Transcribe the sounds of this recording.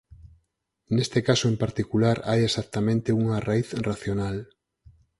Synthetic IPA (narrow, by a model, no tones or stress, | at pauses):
nest̪ekasoempaɾt̪ikulaɾajesak̚t̪amẽnt̪euŋaraiθraθjonal